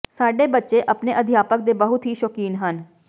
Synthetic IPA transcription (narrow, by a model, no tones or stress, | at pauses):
saːɖeːbətːʃeʔəpneːʔəd̪ʱɪjaːpək̚d̪eːbəɦʊt̪ɦiːʃɔkiːnɦən